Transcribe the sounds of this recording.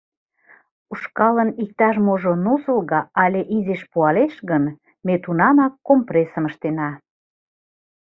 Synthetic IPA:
uʃkɑlənik̚t̪ɑʃmoʒonuzəlɣɑɑlʲeʔizeʃpuɑleʃɣən | met̪unɑmɑkːompresəməʃt̪enɑ

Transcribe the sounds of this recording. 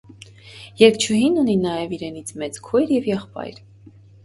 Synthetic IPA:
jɛɾk̚t͡ʃʰuɦinuninɑjɛviɾɛnit͡sʰmɛt͡skʰɔjɾjɛvjɛχpɑ̰jɾ

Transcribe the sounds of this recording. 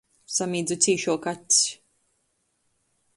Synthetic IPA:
samiːd̪zut̪sʲiːʃuɔkat̪ʲs

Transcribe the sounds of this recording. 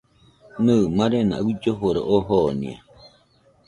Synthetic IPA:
nɨmaɾena̰βid͡ʒoɦoɾaʔoɦonḭa̰

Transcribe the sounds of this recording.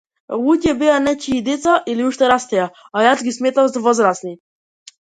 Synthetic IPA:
lucʲɛbianɛt͡ʃiːd̪ɛt̪saʔiliuʃt̪ɛɾast̪ɛja | ajasɡismet̪amsavɔzɾasni

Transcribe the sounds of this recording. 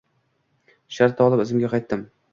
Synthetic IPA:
ʃaɾt̪ɒlˠɪpɪzɪmɡʲaqʰɑjt̪ːɪm

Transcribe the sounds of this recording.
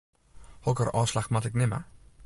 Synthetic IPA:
hɔkəɾɑːslaxmɑtɪknɪmə̰

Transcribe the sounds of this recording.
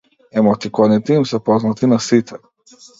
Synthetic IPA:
ɛmɔt̪ikɔd̪nit̪imsɛpɔznat̪inasit̪ʰɛ

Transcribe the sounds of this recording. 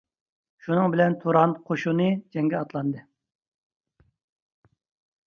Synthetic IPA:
ʃunɨŋbɪlɛnt̪ʰuɾɑnqʰoʃunɨd͡ʒɛŋɡʲɛɑt̪lˠɑnd̪ɨ

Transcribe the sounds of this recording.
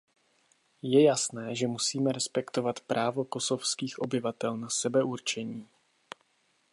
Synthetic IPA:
jɛjasnɛːʒɛmusiːmɛɾɛspɛkt̪o̞vat̪pɾʔaːvoko̞so̞fskiːxʔo̞bɪvat̪ɛlnasɛbɛʔuɾt͡ʃɛɲiː

